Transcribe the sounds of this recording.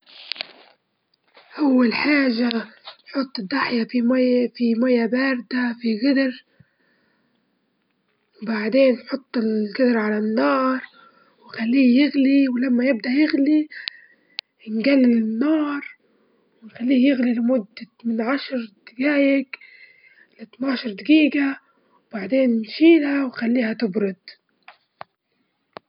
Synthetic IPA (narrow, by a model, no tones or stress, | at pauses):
ʔawːalħaːʒaħʊt̪ˤːɨd̪ːaħjafimfimajabaːɾd̪afiɣɪd̪ɾ | wbaʕd̪eːnħʊt̪ˤːɪlɡɪd̪ɾʕalanːɑːɾˤ | wxalːiːjɪɣliwɪlamːajɪb̚d̪aʔjɪɣli | nɡalːɪlɪnːɑːɾˤ | wɪxalːiːhjɪɣlilɪmʊd̪ːa | mɪnʕaʃɾˤd̪ɪɡaːjɪk | lɪt̪naːʃɑɾˤd̪ɪɡiːɡa | wbaʕd̪eːnnʃiːlhawxalːiːhat̪ɪbɾʊd̪